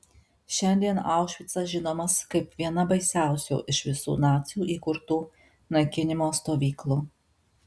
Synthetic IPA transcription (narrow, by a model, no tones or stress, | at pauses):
ʃʲɛnʲd̪ʲiɛnɑˑʊʃʲʋʲɪt̪sɐʒʲɪnoːmɐskɐɪpʋʲiɛnɐbɐɪsʲæˑʊsʲṵːʔɪʃʋʲɪsṵːnɑːt̪sʲɪjuːʔiːkʊɾt̪uː | nɐɪkʲɪnʲɪmoːst̪oːʋʲiːklˠuː